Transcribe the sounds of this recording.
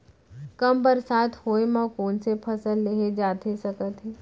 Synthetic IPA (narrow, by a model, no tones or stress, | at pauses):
kɐmbəɾsaːt̪ʰhoːemãkoːnsepʰɐsəlːeɦed͡ʒaːt̪ʰesɐkət̪ɦɛː